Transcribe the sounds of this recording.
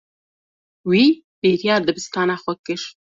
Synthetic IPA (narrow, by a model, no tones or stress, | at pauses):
wiː | beːɾijɑːd̪ɨbɨst̪ɑːnaxʷɔkɨʃ